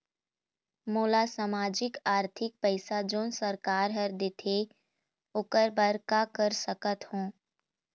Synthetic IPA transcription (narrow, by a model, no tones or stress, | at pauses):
moːlasaːmaːd͡ʒɪkaːɾt̪ʰɪk̚pəɪsad͡ʒoːnsəɾkaːɾɦɐɾd̪et̪ʰe | ʊkəɾbəɾkakəɾsəkət̪hõː